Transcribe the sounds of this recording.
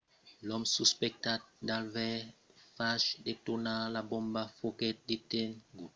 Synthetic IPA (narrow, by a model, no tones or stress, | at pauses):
lɔmsuspɛk̚tat̚dalvɛfaʃdetonalabɔmbafokɛt̚ditenɡu